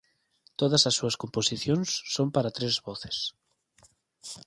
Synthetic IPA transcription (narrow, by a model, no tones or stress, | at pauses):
t̪oðɐsɐsːuɐskomposiθjonsːompaɾat̪ɾezβɔθe̥s